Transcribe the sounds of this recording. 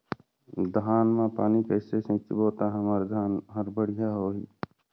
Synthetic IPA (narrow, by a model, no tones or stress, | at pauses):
d̪ʱaːnmẽpaːnikəːsesẽːt͡ʃiboːt̪aɦəmaɾd̪ʱaːnɦəɾbəɽ̤ijaɦoːɦiː